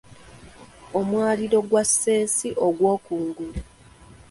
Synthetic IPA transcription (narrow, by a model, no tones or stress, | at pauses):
omwaːliɾo̞ɡwasːe̞ːsiʔo̞ɡwo̞ːkuːŋɡula